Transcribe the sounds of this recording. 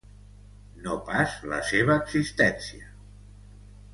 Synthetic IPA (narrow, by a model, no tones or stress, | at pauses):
nopazlə̰seβ̞əːɡzist̪ɛnsiə